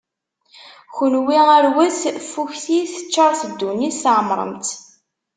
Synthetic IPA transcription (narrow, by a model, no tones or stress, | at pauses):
çʊlwiæɾwæθfːuçθiθə̥t͡ʃːɑɾˤθəd̪ːuniʕəmɾˤə̰mt̪